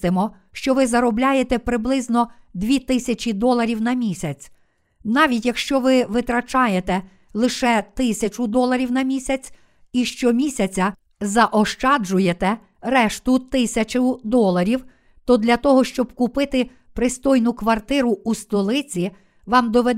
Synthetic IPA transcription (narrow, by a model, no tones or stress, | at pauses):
t̪ɪmɔ | ʃt͡ʃɔʋɪzɐɾɔblʲajet̪ɛpɾɪblˠɪznɔd̪ʋʲit̪ɪsʲɐt͡ʃʲid̪ɔlˠɐɾʲiwnɐmʲisʲɐt͡sʲ | nɑʋʲitʲjɐkʃt͡ʃɔʋɪʋɪt̪ɾɐt͡ʃɑjet̪ɛ | lˠɪʃɛt̪ɪsʲɐt͡ʃʊd̪ɔlˠɐɾʲiwnɐmʲisʲɐt͡sʲ | iʃt͡ʃɔmʲisʲɐt͡sʲɐ | zɐʔɔʃt͡ʃɑd͡ʒʊjet̪ɛ | rɛʃt̪ʊt̪ɪsʲɐt͡ʃɐd̪ɔlˠɐɾʲiw | t̪ɔd̪lʲɐt̪ɔɦɔʃt͡ʃɔbkʊpɪt̪ɪ | pɾɪst̪ɔjnʊkʋɐrt̪ɪɾʊust̪ɔlˠɪt͡sʲi | ʋɑmd̪ɔʋed̪